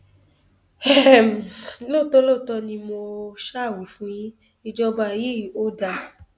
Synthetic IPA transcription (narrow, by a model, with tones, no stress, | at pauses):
ɛ˦˨m̩˨lo˦˨to˦lo˦˨tɔ˧nĩ˧mo˧ʃa˦˨wu˨˦fũ˦j̃ĩ˦ | i˧d͡ʒɔ˦ba˧˨ji˦˨o˦da˧